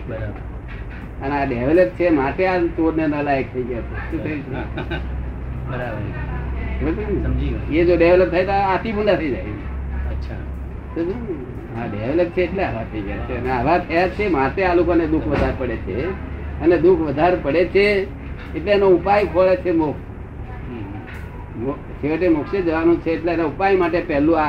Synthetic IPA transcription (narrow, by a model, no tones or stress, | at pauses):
bəɾabəɾ | əneaɖeʋləp̚t͡ʃʰemat̪eat͡ʃoɾnenəlajək̚t̪ʰəiɡjat͡ʃʰeʃũt̪ʰəit͡ʃna | bəɾabə | ətimied͡ʒoɖeʋləp̚t̪ʰajt̪oat̪ʰibunat̪ʰəid͡ʒajt͡ʃe | əʃʰa | t̪oʃũ | a̰ɖeʋeləp̚t͡ʃʰeːʈleaʋat̪ʰəid͡ʒəja̰t͡ʃʰeəneaʋat̪ʰəjat͡ʃʰemat̪ealokoned̪ukʰʋəd̪ʱaɾpəɽet͡ʃʰeəned̪ukʰʋəd̪ʱaɾpəɽet͡ʃʰeː | ʈleɛnoupajkʰoet͡ʃʰemokʰ | mo | seəʈemokʰʃed͡ʒəʋanũt͡ʃʰeːʈlenoupajmaʈepɛɦlũa